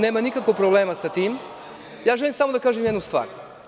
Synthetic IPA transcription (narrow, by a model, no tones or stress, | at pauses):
neːmanikakoɡ̚pɾobleːmasat̪iːm | jaːʒelimsamo̞d̪akaːʒemjed̪nust̪ʋa̰ːɾ